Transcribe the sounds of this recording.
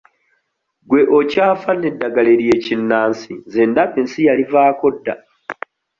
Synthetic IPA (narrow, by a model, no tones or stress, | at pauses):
ɡwe̞ʔocaːfanːe̞dːaɡale̞ɾje̞cinːaːnsize̞ːndaβensijalivaːko̞dːa̰